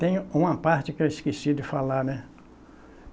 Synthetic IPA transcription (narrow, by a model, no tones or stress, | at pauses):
t̪ẽj̃ʊũmɐpaɾt͡ʃɪkewɪskisid̪ɪfalaɾnɛ